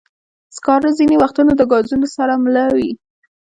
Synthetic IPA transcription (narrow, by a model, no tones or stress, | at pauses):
skɑɾazinewaxt̪unod̪əɡɑzunosaɾamlawi